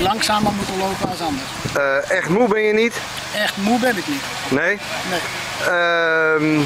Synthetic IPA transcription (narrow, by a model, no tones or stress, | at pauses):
lɑŋsaːməmutəlowpəasɑndərəɛxtmubɪnjənit | ɛxtmubɪnɪknit | neː | ne | əm